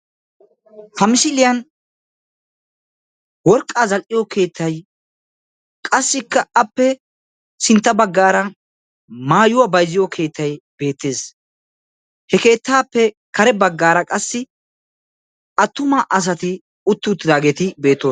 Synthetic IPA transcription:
hɐmɪʃɪlɪjɐn | wɔɾkʼːaːzɐlʔɪjɔke̞ːt̪ʰːɐj | kʼɐsːɪkːɐɐpːɛ | sɪnt̪ːɐbɐɡːaːɾɐ | maːjʊwabɐjzɪjɔkʰe̞ːt̪ːɐjb̥e̞ːt̪ːe̞ːs | hɛke̞ːt̪ːaːpːɛ | kɐɾɛbɐɡːaːɾɐkʼɐsːɪ | ɐt̪ːʊmaʔɐs̬ɐt̪ɪ | ʊt̪ːɪʊt̪ːɪd̪aːɡeːt̪ɪbe̞ːt̪ːoː

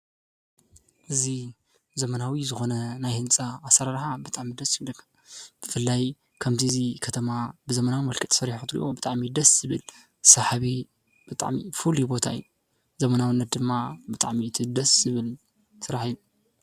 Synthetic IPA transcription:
ʔɨzi | zɐmɐnawizɨxo̞nɐnajhɨnt͡sʼaːsɐɾaɾħabɨt̪ʼaʕmid̪ɐsjɨβlɐkʰːɐ | b̥ɨfɨlːaj | kʰɐmt̪ʰiɨzikʰɐt̪ʰɐmabɨzɐmɐnawmɐlkʰɨt̪ʼsɐɾiħut̪ɾḭʔobɨt̪ʼaʕmid̪ɐszɨβɨl | sɐħaβi | b̥ɨt̪ʼa̰ʕmḭfulubot̪ʰaɨ̰ju | zɐmɐnawɨnːɐt̪̚d̪ɨmːabɨt̪ʼaʕmiɨt̪ʰid̪ɐszɨβɨl | sɨɾaħiju

